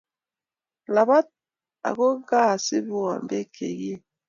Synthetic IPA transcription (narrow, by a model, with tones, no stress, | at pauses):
la˨ba˦t̚ | a̰˨ɣo˦ɡa˦˨si˦bu˦wa̰˨mbe˦kʰḛ˨ɡi˦